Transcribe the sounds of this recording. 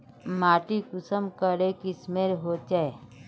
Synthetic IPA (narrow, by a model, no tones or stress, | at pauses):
maːʈikʊsəmkəɾekismeːɾɦoːt͡ʃae